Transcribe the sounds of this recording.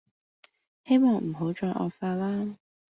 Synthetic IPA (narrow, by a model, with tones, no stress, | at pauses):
he˥jmɔː˧˩ŋm̩˨˩ɦo˨˥wt͡ʃɔː˧jʔɔ̰ː˨˧faː˧laː˥